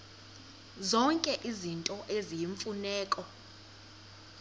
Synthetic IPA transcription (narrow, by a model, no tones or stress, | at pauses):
zɔŋkʼɛʔizintʼɔʔezijiɱfunɛːkʼɔ